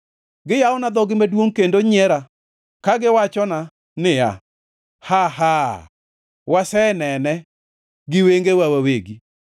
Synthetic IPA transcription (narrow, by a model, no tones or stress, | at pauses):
ɡɪjaɔnad̪ɔɡɪmadwoŋkendoɲɛɾa | kaɡɪwat͡ʃɔna | nɪa̰ | haha | wasɛnɛnɛ | ɡɪweŋɡewawaweɡi